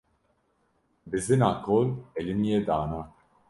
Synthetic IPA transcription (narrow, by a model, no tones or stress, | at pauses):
bɪzɪnɐkɔlːɛlɪnjɛd̪aːnɐ